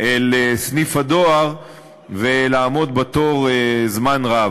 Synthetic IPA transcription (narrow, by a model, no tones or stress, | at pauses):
ʔelesnifad̪oaʁ | velaːmo̞d̪bet̪o̞ʁzmanʁa